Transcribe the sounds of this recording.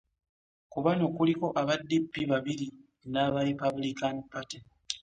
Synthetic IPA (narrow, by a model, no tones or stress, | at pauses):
kuβano̞kuliko̞ʔaβadːipːiβaβiɾi | naːβaɾipabulikanpati